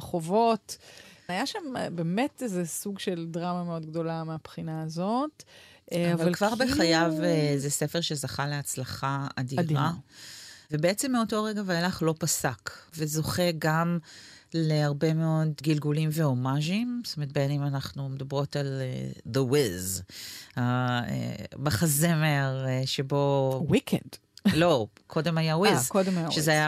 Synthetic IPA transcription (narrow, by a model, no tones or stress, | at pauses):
χovo̞tajaʃambeːmetezesuɡʃeldʁamameo̞dɡdo̞lameapχinaːzot | aavalalkvaʁbeχajavezesefeʁʃezaχaleat͡slaχaadiʁa | vebeet͡semːeo̞to̞ʁeɡavealaχlo̞pasakvezo̞χe̞ɡam | leaʁbe̞meo̞dɡilɡulimveo̞maʒimst̪omet̚benimanaχnumedabʁo̞taleðəwiz | aḛbaχazemeʁʃebo̞wikʰed | lo̞kʰo̞de̞majawizkodmʃʃezeaja